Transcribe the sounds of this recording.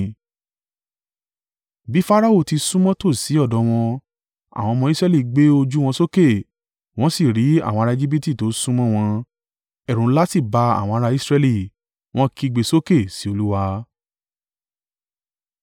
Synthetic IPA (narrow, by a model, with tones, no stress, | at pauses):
bi˨˦fa˦ɾa˦o˦˨ti˧sũ˦mɔ̃˦to˦˨si˨˦ɔ˦˨dɔ˧˦w̃ɔ̃˧ | a̰˨w̃ɔ̃˧mɔ̃˧i˦sɾɛ˧li˦˨ɡ͡be˦o˧d͡ʒu˦w̃ɔ̃˧so˦ke˦˨ | w̃ɔ̃˦si˦˨ɾi˨˦a̰˦˨w̃ɔ̃˧ɾa˧e˧d͡ʒi˦b̬i˦ti˦˨to˨˦sũ˦mɔ̃˦w̃ɔ̃˧ | ɛ˨ɾ̃ũ˨˦la˦si˦˨ba˧a̰˨w̃ɔ̃˧a˧ɾa˧i˦sɾɛ˧li˦˨ | w̃ɔ̃˦ki˦˧ɡ͡be˧so˦ke˦˨si˨˦o˧lu˦wa˧˦